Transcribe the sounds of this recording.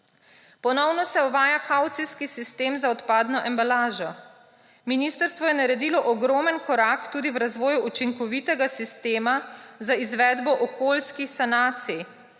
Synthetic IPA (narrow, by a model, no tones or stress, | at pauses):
pɔnɔwnɔsɛɔʋaːjakawt̪siskisist̪eːmzaɔt̪paːd̪nɔʔɛmbalaːʒɔ | miniːst̪əɾst̪ʋɔjɛnaɾɛd̪iːlɔʔɔɡɾɔːmənkɔɾakt̪uːd̪iwɾazʋɔːjuʔut͡ʃiŋkɔʋit̪ɛɡasist̪eːmazaizʋɛd̪bɔʔɔkʰoːlskixsanaːt̪sij